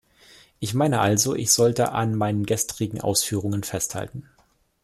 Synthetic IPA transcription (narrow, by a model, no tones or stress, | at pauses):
ʔɪçmaɪnəʔalzoʔɪ̰çz̥ɔltə̰ʔa̰nmaɪnənɡɛstʁ̥ɪɡŋ̩ʔa̰ʊsfyːʁ̞ʊŋənfɛstha̰ltn̩